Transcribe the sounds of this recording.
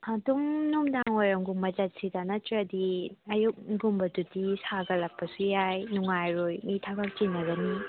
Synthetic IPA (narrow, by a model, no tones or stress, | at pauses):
adumnumdaŋojɾɐmɡuŋmɐd͡ʒɐt̚sidanɐtɾɐdiɐjuk̚ɡumbɐtutisaɡɐlɐk̚pːɐsujajnuŋajɾojmitʰabɐk̚t͡ʃinːɐɡɐni